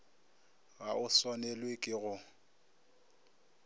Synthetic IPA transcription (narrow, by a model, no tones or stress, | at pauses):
ɣaʊswanɛlwekʼɪɣʊ